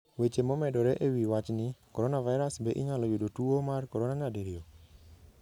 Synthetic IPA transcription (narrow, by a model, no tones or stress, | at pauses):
wet͡ʃemomɛdɔɾeʔewiwat͡ʃnɪkɔɾɔnavaɪɾasbeʔɪɲalɔjudotuomarkɔɾonaɲadiɾio